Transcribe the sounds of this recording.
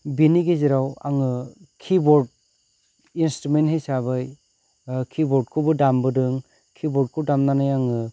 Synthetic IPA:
biniɡeziɾawa̰ŋɯ | kʰibɔɾd̚ | instɾumenthejsabɯj | kʰibɔɾd̚kʰɯbɯdambɯdɯŋ | kʰibɔɾt̚kʰɯdamnanajaŋɯ

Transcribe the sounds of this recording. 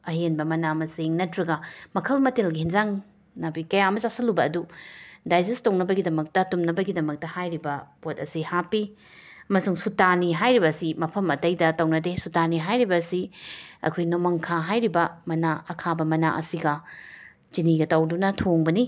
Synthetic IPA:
ɐɦenbɐmɐnamɐsiŋnɐtɾɐɡɐmɐkʰɐlmɐtelɡihinzaŋ | nabikɐjaɐmɐsasɐlubɐːdudajzestɐwnɐbɐɡidɐmɐk̚tɐtumnɐbɐɡidɐmɐk̚tɐhajɾibɐpot̚ɐsihapːi | ɐmɐsuŋsutaniɦajɾibɐsimɐpʰɐmɐtɐjdɐtɐwnɐdesutaniɦajɾibɐsiɐ̰kʰojnomɐŋkʰaɦajɾibɐmɐnaɐkʰabɐmɐna̰ʔɐ̰siɡɐ | t͡ʃiniɡɐtɐwdunɐtʰoŋbɐni

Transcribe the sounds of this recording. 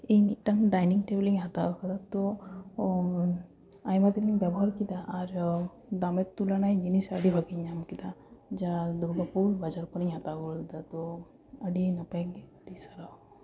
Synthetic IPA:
ejmiʈaŋɖajniŋʈebliŋɦat̪aɔkʰad̪at̪ɔ | ajmat̪ɾiŋbjɛbɔɦaɾkit̪aʔaɾ | d̪amɛt̪ːulanajd͡ʒinisəɽibʱakiɲamkit̪ad͡ʒad̪uɾbapuɾbad͡ʒaɾpɔniɲɦat̪aɡɔld̪at̪ɔ | əɖinapeɡəɖisaɾa

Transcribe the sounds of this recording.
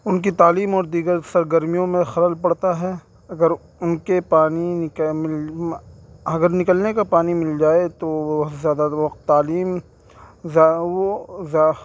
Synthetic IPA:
ʊnkit̪aːliːmɔːɾd̪iːɡəɾsɐɾɡəɾmijõmẽxɐɾəlpɐɽt̪aɦɛ | ɐɡəɾ | ʊnkepaːnimɪl | ɐɡəɾnɪkəlnekapaːnimɪld͡ʒaːet̪oɦ̪zjaːd̪aʋɐqt̪ːaːliːm | zaoz

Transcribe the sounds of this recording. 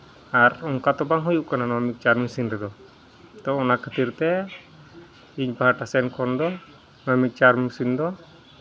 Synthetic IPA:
aruŋkat̪ɔbaŋɦujuʔkananamik̚t͡ʃarmusindɛd̪ɔ | t̪ɔɔnakət̪irt̪ɛ | iɲpaɦaʈasɛnkɔnd̪ɔ | namik̚t͡ʃarmusind̪ɔ

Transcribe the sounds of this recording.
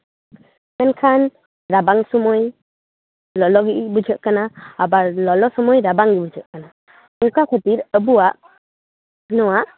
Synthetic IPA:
mɛnkʰan | ɾabaŋsɔmɔj | lɔlɔɡiʔbud͡ʒəʔ̚kanaːbalɔlɔsɔmɔjɾabaŋɡibud͡ʒʰʱəʔkana | uŋkakʰət̪iɾəbuwaʔ | nɔwaʔ

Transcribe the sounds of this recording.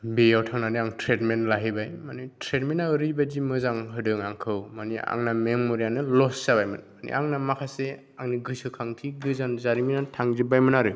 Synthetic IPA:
bejawtʰaŋnaniaŋtʰɾetmenlaɦibajmanitʰɾetmenːaɯɾɯbad͡ʒimɯzaŋɦɯdɯŋaŋkʰɯwmania̰ŋnameŋmoɾijanɯlɔsːabajmɯnmanḭʔaŋnamakʰase | aŋniɡɯsɯkʰaŋtʰiɡɯzanzaɾiminatʰaŋzibajmɯnaɾɯ

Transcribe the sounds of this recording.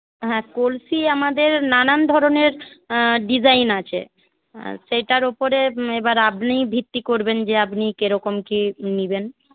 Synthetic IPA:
ɦɛ̃kolsiamad̪eɾnanand̪ʱɔɾoneɾɖid͡ʑajnat͡ɕʰḛ | ʃejʈaɾopoɾeebaɾapnijbʱit̪ːikoɾbend͡ʑeapnikeɾɔkomkiniben

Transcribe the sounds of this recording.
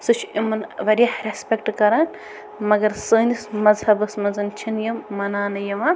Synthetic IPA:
sɨt͡ʃʰimɐnʋɐɾʲjɐhɾespʲek̚ʈkɐɾaːn | mɐɡɐɾsəːnismɐzɦɐbɐsmɐzɐnt͡ʃʰinjɐmːɐnaːnɐjɐma

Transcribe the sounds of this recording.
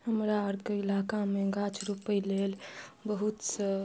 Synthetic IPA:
həmɾaəɾd̪keilakameɡat͡ʃɾupəilelbəɦut̪sə

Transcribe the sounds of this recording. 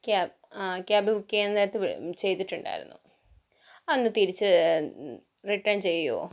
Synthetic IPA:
ka | kjaːbiukʲːeend̪aːjɾɐt̪ːɨʋ̰t͡ɕe̞jt̪ːiʈːuɳɖa̰ːjiɾṵnːṵ | ɐnːɨt̪iɾit͡ɕːɨ | riʈːɐnt͡ɕe̞jːo̰ː

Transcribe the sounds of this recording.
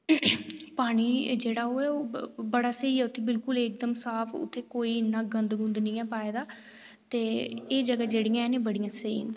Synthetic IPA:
paːɽ̃iːd͡ʒeːɽaːoːɛːoːbəɽaːseiːɛːʊt̪ʰːeːbɪlkʊlek̚d̪əmsaːfʰʊ̰t̪ʰːeːkoːiːɪnːãːɡənd̪ɡʊ̃nd̪nĩːɛːpaːeːd̪aː | t̪eːeːd͡ʒəɡaːd͡ʒeːɽijãːɛːnẽːbəɽɪjãːseḭ̃ː

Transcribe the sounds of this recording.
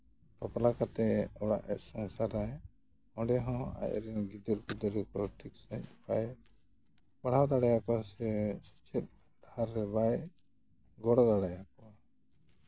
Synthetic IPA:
pɔplakat̪ɛɔɽa̰ʔɛ̰t̪̚ˀsɔŋsaɾaj | ɔ̃ɖɛɦɔ̃a̰j̰ɾɛnɡid̪ɔɾɡud̪ɔɾɛkɔʈʰik̚sə̃c̚paj | baɽ̤awd̪aɽajakɔsɛsi̥t͡ʃʰɛt̪̚ | d̪ʱaɾːɛbaj | ɡɔɽɔd̪aɽajakɔ

